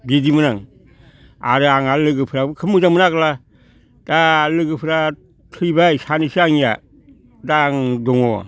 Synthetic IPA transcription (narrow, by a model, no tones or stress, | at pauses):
bidimɯnaŋ | a̰ɾɯaŋalɯɡɯpʰɯɾabɯkʰɯmɯzaŋmɯnaɡla | d̥alɯɡɯpʰɯɾa | tʰɯjbajsanisiaŋija̰ | daːŋdɔŋɔ̰